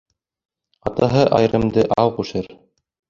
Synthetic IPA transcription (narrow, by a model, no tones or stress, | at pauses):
ɑt̪ɑɦɤʔɑj̆ɾɤ̆md̪ɤʔɑwqʉʃɘɾ